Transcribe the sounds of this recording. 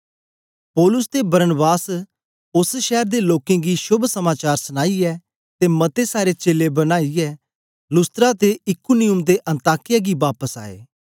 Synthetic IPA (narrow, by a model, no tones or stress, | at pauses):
pɔːlʊst̪ebɐɾənbaːs | ʊsʃɛːɾd̪eloːkẽːɡiʃʊbʱsəmaːt͡ʃaːɾsəñaːiɛː | t̪emɐt̪esaːɾet͡ʃeːlebɐnaːiɛː | lʊst̪əɾat̪eɪkunɪʊmd̪eʔə̃nt̪aːkɪjaɡibaːpəsa̰ːḛː